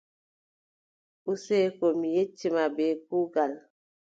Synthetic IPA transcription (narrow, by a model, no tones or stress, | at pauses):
usekomijet͡ʃːimabekuɡal